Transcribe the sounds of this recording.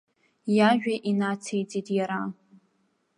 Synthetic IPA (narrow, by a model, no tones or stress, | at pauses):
jaʒᶣaʔinat͡sʰejt͡sʼitʼjaɾa